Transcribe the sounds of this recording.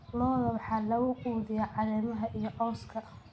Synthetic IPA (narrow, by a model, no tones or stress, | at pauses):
nɔːðɐwɑħɑːlɐɣʊkuːðɪjaʕɑlɛːmɐɦɐʔijɞʔɔːskʰɐ